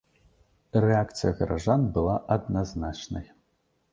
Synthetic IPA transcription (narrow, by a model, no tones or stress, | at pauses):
reak̪t͡s̪ɨjɐɣɐɾɐʐanbɨlˠaʔɐd̪nɐznat͡ʂnɐ̰j